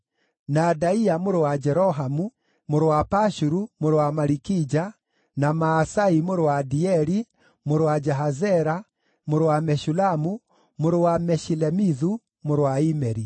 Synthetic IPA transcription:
nadaiamoɾowad͡ʒɛɾɔɦamu | moɾowapaʃuɾumoɾowamaɾikid͡ʒa | namaːsaimoɾowadiɛɾi | moɾowad͡ʒɛɦazɛɾa | moɾowamɛʃulamu | moɾowamɛʃilɛmiðu | moɾowaimɛɾi

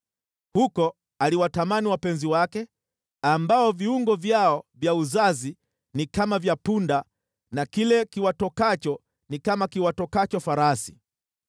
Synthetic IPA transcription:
hukɔ | aliwatamaniwapɛnziwakɛ | ambaɔviuŋɡɔvjaɔvjauzazi | nikamavjapunda | nakilɛkiwatɔkat͡ʃɔ | nikamakiwatɔkat͡ʃɔfaɾasi̥

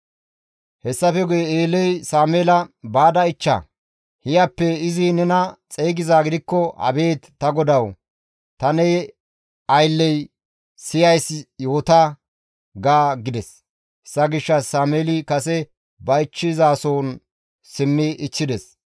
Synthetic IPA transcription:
hɛsːɐfɛɡʊjɛeːlːɛjsaːmeːlɐbaːd̪ɐɪt͡ʃːɐ̰ | hɪjɐpːɛɪzɪnɛnɐt͡sʼejɡɪzaːɡɪd̪ɪkːɔhɐ̰be̞ːt̪ːɐɡɔd̪ɐw | t̪ɐnɛ | ɐjlːɛj | sɪjɐjsjo̞ːt̪a | ɡaːɡɪd̪ɛs | ɛsːɐɡɪʃːɐssaːmeːlɪkɐsɛ | bɐɪt͡ʃːɪzaːsoːn | sɪmːɪʔɪt͡ʃːɪd̪ɛs

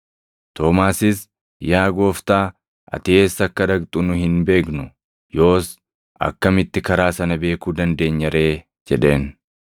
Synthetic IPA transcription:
t̪o̞ːmaːsɪs | jaːɡo̞ːft̪aː | ʔɐ̰t̪ɪe̞ːsːɐkːɐd̪ɐɡt̪ʼʊnʊhɪnbe̞ːknʊ | jo̞ːs | ʔɐ̰kːɐmɪt̪ːɪkɐɾaːsɐnɐbe̞ːkuːd̪ɐnd̪e̞ːɲːɐɾe̞ː | d͡ʒɛᶑe̞ːn

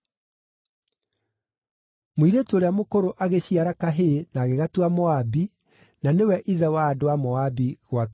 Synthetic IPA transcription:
moiɾetoːɾeamokoɾoʔaɣeɕiaɾakaɦenaːɣeɣatuamɔabi | nanewɛʔiðɛwaːdoamɔabiɣwa

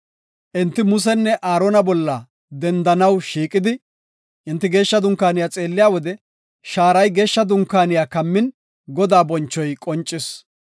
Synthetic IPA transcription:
ʔɪnt̪ːɪmʊs̬ɛnːɛʔaːɾoːnɐbɔlːɐ | d̪ɛnd̪ɐnɐwʃiːkʼɪd̪ɪ | ʔɪnt̪ːɪɡe̞ːʃːɐd̪ʊŋkːaːnɪjaːt͡sʼe̞ːlːɪjaːwɔd̪ɛ | ʃaːɾɐjɡe̞ːʃːɐd̪ʊŋkːaːnɪjaːkɐmːɪn | ɡɔd̪aːbɔnt͡ʃːɔjkʼɔnt͡ʃʼːɪs

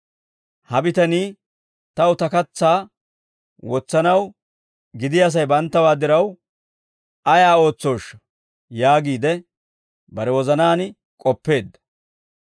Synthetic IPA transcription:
hɐbɪt̪ɐniː | t̪ɐwʊt̪ɐkɐt͡sːaː | wɔt͡sːɐnɐw | ɡɪd̪ɪjɐs̬ɐjbɐnt̪ːɐwaːd̪ɪɾɐw | ʔɐjaːo̞ːt͡sːo̞ːʃɐ | jaːɡiːd̪ɛ | bɐɾɛwɔzɐnaːn | kʼɔpːe̞ːd̪ːɐ̥

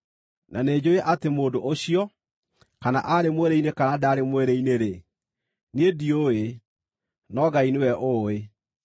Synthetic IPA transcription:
nʔaneːd͡ʑoeʔatemoːdoʔoɕijɔ | kana̰ʔaɾemweɾeinekanadaɾemweɾeineɾe | niedioe | nɔɡainewɛʔoːe

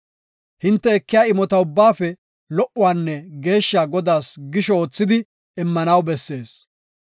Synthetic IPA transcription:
hɪnt̪ːɛːkːɪjaːɪmɔt̪ɐʊbːaːfɛ | lɔʔʊwaːnːɛɡe̞ːʃːaɡɔd̪aːsɡɪʃɔoːt͡sːɪd̪ɪ | ɪmːɐnɐwbɛsːe̞ːs

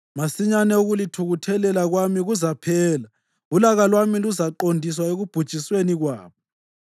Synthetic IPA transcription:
masiɲanɛuɣulitʰuɣutʰɛlɛlaɣwamiɣuzapʰɛːla | ulaɣalwamiluzaǃondʱis̬waeɣub̥ʱud̥ʒ̥ʱisweniɣwa̰ːβɔ

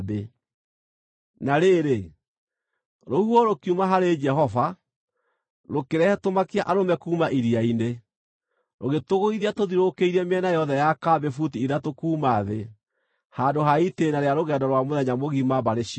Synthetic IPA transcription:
be | naɾeɾe | ɾohuɔɾokiumaɦaɾed͡ʒɛɦɔva | ɾokeɾɛhɛtomakiaʔaɾomɛkuːmaʔiɾiaine | ɾoɣetoɣoiðiatoðiɾokeiɾɛmeɛnajɔðɛjakabefut̬iiɾatokuːmaðe | handoɦaitenaɾeaɾoɣɛdɔɾwamoðɛɲamoɣimabaɾeʃi

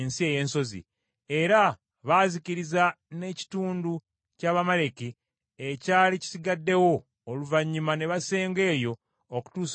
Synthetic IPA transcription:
nsie̞je̞ːnso̞zḭ | e̞ɾa | βaziciɾiza | ne̞ci̥tuːndu | caːβamale̞ki | ecaːlici̥siɡadːe̞wo̞ː | luvaɲːumane̞βase̞ːŋɡe̞ːjo̞ | oku̥tuːs

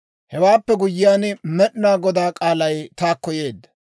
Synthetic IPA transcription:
hɛwaːpːɛɡʊjːɪjaːnmɛɗɪnaːɡɔd̪aːkʼaːlɐjt̪aːkːɔje̞ːd̪ːɐ̥

